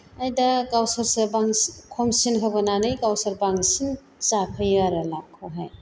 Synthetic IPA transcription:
ajdɐkawsɐɾsɐbaŋkʰomsinkʰɐbɐnanɯjkawsɐɾbaŋsin | t͡ʃapʰɐjaɾɐlakʰːoɦaj

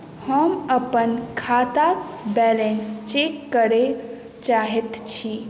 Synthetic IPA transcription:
həməpənkʰat̪akbɛlenst͡ʃekːəɾe | t͡ʃaɦɛt̪t͡ʃʰi

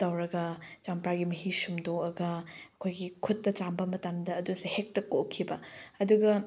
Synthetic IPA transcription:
tɐwɾɐɡɐt͡ʃampɾaɡimɐɦisumdoɐɡɐɐkʰojɡikʰutːɐt͡ʃambɐmɐtamdɐːdusehek̚tɐkokʰːibɐɐduɡɐ

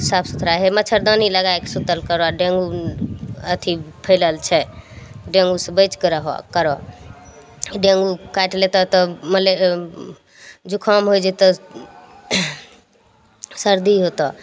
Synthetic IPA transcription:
sabsut̪ʰɾaɦemət͡ʃʰəɾd̪aniləɡaekesut̪əlkəɾɔaɖẽŋɡu | ət̪ʰipʰəjləlt͡ʃʰɛɖẽŋɡusə̃bəjt͡ʃkeɾəɦokəɾɔ̰ | ɖẽŋɡukaʈlet̪ɔt̪ɔməle | d͡ʒokʰɔmɦojd͡ʒɛt̪ɔ | səɾd̪ʱiɦot̪ɔ

